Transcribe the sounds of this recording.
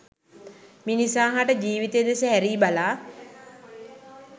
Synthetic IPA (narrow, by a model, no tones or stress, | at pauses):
minisaːɦaʈəd͡ʒiːʋit̪eːd̪esəɦæɾiːbalaː